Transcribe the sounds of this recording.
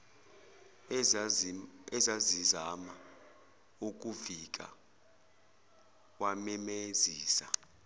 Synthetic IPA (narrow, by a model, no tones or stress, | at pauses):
ɛzazizama | uk̬ʼuvik̬ʼa̰ | wamɛmeziːsa